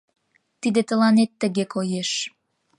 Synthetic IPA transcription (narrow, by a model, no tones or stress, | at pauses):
t̪id̪et̪əlɑnet̪ːəɣekʰojeʃ